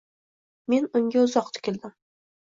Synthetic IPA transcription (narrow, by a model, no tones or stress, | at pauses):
me̞nʊŋɡʲaʊzɒq̚t̪ʰʊ̥kʲɪld̪ɪm